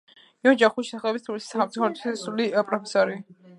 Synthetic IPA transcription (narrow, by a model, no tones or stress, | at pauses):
iɔd͡ʒaχuiʃsaχlɛbist̪ʰulisi̥samt̪suχaɾɔt̪ʰsulipʼɾɔpʰɛsɔɾi